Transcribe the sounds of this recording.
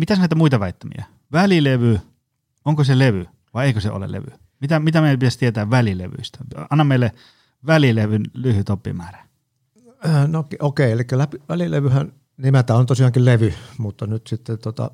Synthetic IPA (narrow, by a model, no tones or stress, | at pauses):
mit̪æsnæˑit̪æmuit̪ɑʋæˑit̪ːæmḭæ | ʋælileʋy | oŋkoseleʋy | ʋɑˑieˑikøseo̰lḛlḛʋy | mit̪æmit̪æmeˑipit̪æst̪iet̪æːʋʋælilḛʋy̰ist̪æ̥ɑnːɑmmeˑilːe | ʋælileʋynlyhyt̪opːˑḭmæːræ̥ | nokiokeˑielikːælæpiʋælilḛʋyhæn | nimæt̪æːont̪osiɑːŋkilleʋymut̪ːɑnyt̪sit̪ːet̪ot̪ɑ̰